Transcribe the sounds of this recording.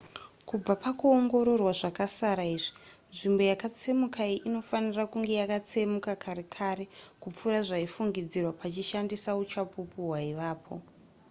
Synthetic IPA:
kub͡vapakuoŋɡo̞ɾo̞rwaʐakasaɾaiːʐinʐimbo̞jakat͡se̞mukʰaiʔino̞fanirakuŋɡe̞jakat͡se̞mukakʰaɾe̞kʰaɾe̞kup͡fuɾaʐaifuŋɡid͡zirwapat͡ʃiʃandisaut͡ʃapupuɦwaiʋaːpʰo̞̰

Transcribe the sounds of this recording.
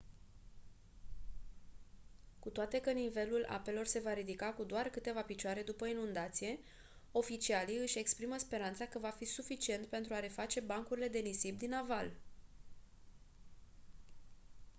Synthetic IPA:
kut̪oat̪e̞kənive̞lula̰pe̞lo̞rse̞vaɾid̪ikakud̪oarkɨt̪e̞vapit͡ʃoaɾe̞d̪upəinund̪at̪sije̞ | o̞fit͡ʃialiɨʃʲe̞kspɾiməspe̞ɾant̪sakəvafisufit͡ʃie̞nt̪pe̞nt̪ɾuaɾe̞fat͡ʃe̞baŋkuɾile̞d̪e̞nisibd̪inaval

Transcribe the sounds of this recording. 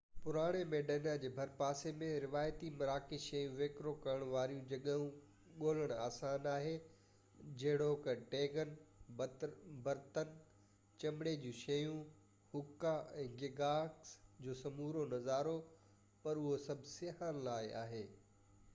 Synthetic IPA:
pʊɾaːɽ̃emẽːɖɐnad͡ʑeːbʱɐɾpaːsemẽɾɪʋaːjt̪imɐɾaːkɪʃɐjũʋeːkɾokɐɾəɽ̃ʋaːɾijũd͡ʑɐɠəɦũ | ɠoːləɽ̃aːsaːnaːɦe | d͡ʑɐɦɪɽoːkʈeːɡən | bɐɾt̪ən | t͡ɕɐmɽed͡ʑũːʃɐjũ | hʊkːaɛ̃ːɡɪɡaːksd͡ʑoːsɐmuːɾonɐzaːɾo | pɐɾʊɦosɐbʱɪsɪɦaːnlaːɪa̰ːɦeː

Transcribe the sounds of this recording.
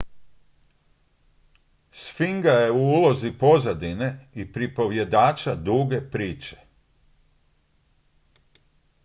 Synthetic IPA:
sfiŋɡaje̞uuːlˠo̞zipo̞zad̪ine̞ipɾipo̞ʋje̞d̪aːt͡ʃad̪uːɡe̞pɾiːt͡ʃe̥

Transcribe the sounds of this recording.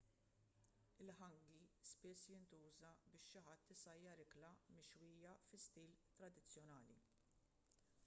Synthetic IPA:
ɪlħɐŋɡispɪsːjɪnt̪uːzɐbɪːʃːɪħɐt̪ːɪsɐjːɐɾɪklɐmɪʃwiːjɐfɪst̪iːlt̪ɾɐd̪ɪt͡sːjɔnɐːlḭ

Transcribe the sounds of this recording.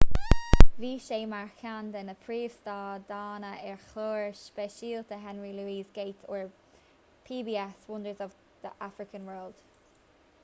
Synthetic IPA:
viːʃeːmaɹkʰandɪnəpʰɹiːv̥stɑːd̪aːnəʔɪɹxloːɹʃb̥ɛʃiːlt̪ʰəɦɛnɹiluːiːzɡeɪtʰoɹ | pʰiːbiːɛswʊndəzɔv | ð̥əʔafɹɪkə̃nwɜːld̥

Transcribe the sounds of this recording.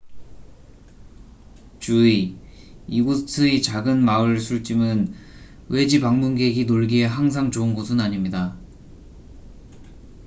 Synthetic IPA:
t͡ɕui | iɡusʰɯit͡ɕaɡɯnmaɯɭsʰuɭt͡ɕ͈imɯn | we̞d͡ʑipaŋmunɡe̞ɡinoɭɡiɦeɦaŋs̬ʰaŋt͡ɕoɯnɡosʰɯnaɲimɲida

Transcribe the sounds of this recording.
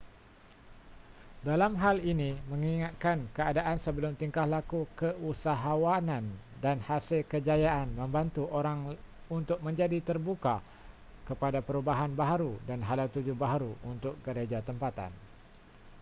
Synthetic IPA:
dalamɦalinĩmə̃ŋiŋat̪̚kankəadaʔansəbəlʊmt̪iŋkahlakukəusaɦawanãndanhasɪlkəd͡ʒajaʔanmə̃mbant̪uʔoɾaŋ | unt̪ʊk̚mə̃ɲd͡ʒadit̪ərbuka | kəpadapəɾubaɦanbaɦaɾudanɦalawt̪ud͡ʒubaɦaɾuunt̪ʊk̚ɡəɾed͡ʒat̪əmpat̪a̰n

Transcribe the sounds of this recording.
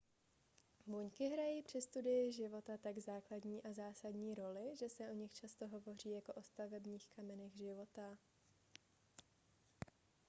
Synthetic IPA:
vuɲkɪɦɾajiːpr̝̥ɪst̪udɪjɪʒɪvo̞t̪at̪aɡzaːkladɲiːʔazaːsadɲiːɾo̞lɪʒɛsɛʔo̞ɲɪxt͡ʃast̪o̞ɦo̞vo̞riːjako̞ʔo̞st̪avɛbɲiːxkamɛnɛɣʒɪvo̞t̪a

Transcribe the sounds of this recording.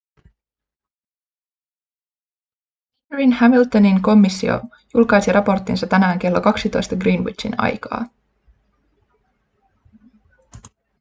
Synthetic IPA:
hɹinhæmilt̪oniŋko̞mːisːḭo̰ | julkɑjsiɾʔɑpo̞rt̪ːˑinsɑtt̪ænæːŋk̟e̞lːo̞kɑksit̪o̞jst̪ɑɡriːnwḭḭnɑ̰jkɑ̰ː

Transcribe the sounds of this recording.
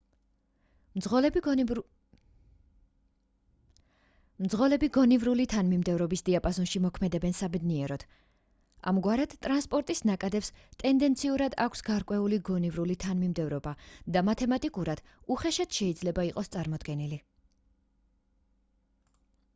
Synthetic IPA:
l | md̪zʁɔlɛbiɡɔnivɾulit̪ʰanmimd̪ɛvɾɔbisd̪iapʼazɔnʃimɔkʰmɛd̪ɛbɛnsabɛd̪niɛɾɔd̪̥ | a̰mɡwaɾɛd̪̥t̪ʼɾanspʼɔɾt̪ʼisnakʼad̪ɛpst̪ʼɛnd̪ɛnt̪sʰiuɾad̪akʷʰsɡaɾkʼwɛuliɡɔnivɾulit̪ʰanmimd̪ɛvɾɔbad̪amat̪ʰɛmat̪ʼikʼuɾad̪̥ | uχɛʃad̪̥ʃɛid̪zlɛbaiqʼɔst̪sʼaɾmɔd̪ɡɛnili

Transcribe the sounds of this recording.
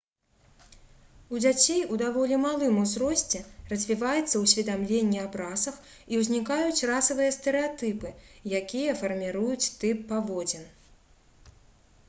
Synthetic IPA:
ud͡zʲat͡sʲejud̪avɔlʲimalˠɨmuzrɔsʲt͡sʲɛrɐzʲvʲivajɛt̪sːɐwsʲvʲid̪amlʲenʲːiabɾasɐx | iwzʲnʲikajut͡sʲrasɐvɨjɐst̪ɛɾɨat̪ɨpɨjakʲijɐfɐrmʲiɾujut͡sʲt̪ɨpːavɔd͡zʲɛn

